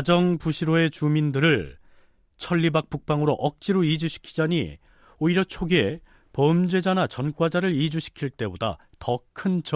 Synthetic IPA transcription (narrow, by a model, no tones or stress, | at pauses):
ad͡ʑʌŋpuɕʰiɾoe̞t͡ɕumindɯɾɯɭ | t͡ɕʰʌʎːibak̚p͈uk̚p͈aŋɯɾoʔʌk̚t͡ɕ͈iɾoid͡ʑuɕʰi̥kʰi̥d͡ʑaɲḭ | oiɾjʌt͡ɕʰoɡie | pʌɯmd͡ʑwe̞d͡ʑanat͡ɕʌnk͈wad͡ʑaɾɯɭid͡ʑuɕʰi̥kʰiɭt͈e̞boda̰ | tʌkʰɯnt͡ɕ